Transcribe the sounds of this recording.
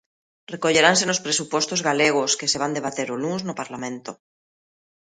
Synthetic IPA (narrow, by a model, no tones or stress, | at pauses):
rekoʎe̞ɾans̬enospɾesupwo̞st̪ozɣaleɣ̞oske̞se̞β̞and̪e̞βat̪eɾoluznopaɾlamẽnt̪o